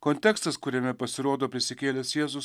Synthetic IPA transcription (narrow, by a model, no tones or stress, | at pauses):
kɔnʲt̪ʲɛkst̪ɐskʊɾʲɛmʲɛpɐsʲɪɾoːd̪oːpʲɾʲɪsʲɪkʲeːlʲɛsjeːzʊs